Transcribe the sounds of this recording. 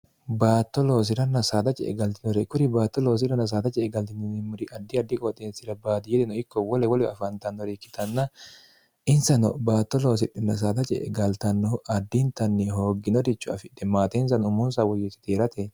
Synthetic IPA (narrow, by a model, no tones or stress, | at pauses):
baːt̪ːɔlo̞ːs̬ɪɾɐnɐsaːd̪ɐt͡ʃʼɛ̰ʔɛ̰ɡɐlt̪ɪnɔɾɛkʊɾɪbaːt̪ːɔlo̞ːs̬ɪɾɐnɐs̬aːd̪ɐt͡ʃʼɛɛɡɐlt̪ɪnnmʊɾɪɐd̪ːɪɐd̪ːɪkʼɔt̪ʼeːsɪɾɐbaːd̪ɪjɛd̪ɛnɔɪkːɔwɔlɛwɔlɛɐfɐnt̪ɐnːɔɾikːɪ̥t̪ɐnːɐ | ʔɪnsɐnɔ̰baːt̪ːɔloːs̬ɪᶑːɪnɐs̬aːd̪ɐt͡ʃʼɛ̰ɡɐlt̪ɐnːɔʔɐd̪ːɪnt̪ɐnːɛɦoːɡɪnɔt̪ɪt͡ʃːʊɐ̰fɪᶑɛmaːt̪ens̬ɐnʊmʊnsɐwɔjɪt̪ːɪ̥t̪eːɾɐt̪ɛ